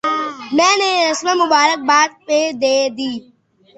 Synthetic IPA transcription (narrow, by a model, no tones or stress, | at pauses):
mɛ̃ːneːɾəsmẽːmʊbaːɾək̚baːd̪̚peːd̪eːd̪iː